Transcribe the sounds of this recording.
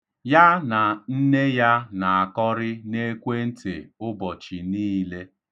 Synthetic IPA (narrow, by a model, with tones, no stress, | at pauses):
ja˦na˨n̩˦ne˦ja˦na˨a˨kɔ˦ɾɪ˦ne˦kʷe˦n̩˦tḛ˨ʊ˦bɔ˨t͡ʃi˨niː˦le˦